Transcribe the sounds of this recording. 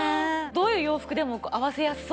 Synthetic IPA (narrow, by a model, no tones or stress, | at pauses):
d̪o̞ːjɯ̟ːjo̞ːɸɯ̥kɯ̟d̪e̞mokʔaβase̞jasɨ̥s